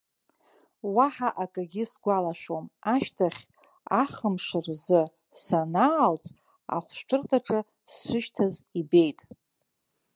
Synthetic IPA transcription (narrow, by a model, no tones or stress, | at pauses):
waħaʔakʼaɡʲɪsɡʷalaʃʷᶣomaʃtʰaχʲ | aχəmʂɨrzɨ | sanaːlt͡sʼ | a̰χʷʃʷt͡ʃʷʰɨrtʰʼaʈ͡ʂʼɨ | sːʷɨʃtʰazibe̞jtʼ